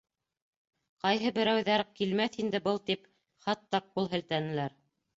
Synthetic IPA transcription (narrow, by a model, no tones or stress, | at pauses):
qɑjɦɤbɘ̆ɾæwðæɾkilmæθind̪ɘbɤlˠt̪ip | χɑt̪ːɑq̚qulˠɦɘ̆lt̪ænɘ̆læɾ